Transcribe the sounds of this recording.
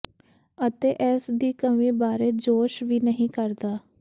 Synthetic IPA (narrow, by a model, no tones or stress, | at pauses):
ət̪eːʔɛːsd̪iːkəmĩːbaːɾeːd͡ʒoːʃʋiːnəɦĩːkəɾd̪aː